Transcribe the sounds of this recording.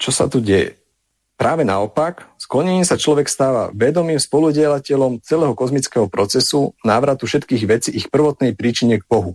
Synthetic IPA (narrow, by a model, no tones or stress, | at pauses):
t͡ʃɔsa̰t̪uɟɛjɛ̰ | pɾaːʋɛnaɔpaksklɔɲɛɲiːmsat͡ʃlɔʋɛkst̪aːʋa̰ʋɛd̪ɔmiːmspɔluɟɪɛlacɛʎɔmt͡sɛlɛːɦɔkɔzmit͡skɛɦɔpɾɔt͡sɛsunaːʋɾat̪ufʃɛt̪kiːɣʋɛt͡siixpr̩ʋɔt̪nɛjpɾiːt͡ʃiɲɛɡ̚bɔɦu